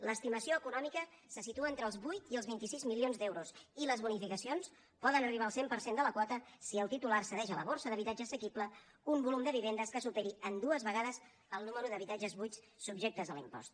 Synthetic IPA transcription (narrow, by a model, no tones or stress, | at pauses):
ləst̪iməsioəkunɔmikə | səsit̪uəent̪ɾəːlˠzβujt̪iəlˠzβint̪isizmilionzd̪ɛwɾusiləzβunifikəsions | pɔðənəriβaəlˠsempəɾsend̪ələkwɔt̪əsiəlˠt̪it̪ularsəðɛʃələ̰β̞oɾsəðəβ̞it̪ad͡ʒəːsəkiplə | umbulumd̪əβiβend̪əskəsupɛɾiənd̪uəzβəɣaðəz | əlˠnuməɾuðəβit̪ad͡ʒəzβujt̪ | sub̚ʒek̚t̪əzðəlḭmpɔ̰st̪